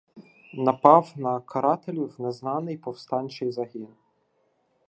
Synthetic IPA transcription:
nɐpɑwnɐkʰɐɾɑt̪elʲiwneznɑnɪjpɔwst̪ɑnʲt͡ʃɪjzɐɦʲin

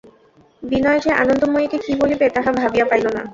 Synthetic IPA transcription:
binɔjod͡ʒeʔa̰nond̪omojikekibolibet̪aɦabʱabijapajlona̰

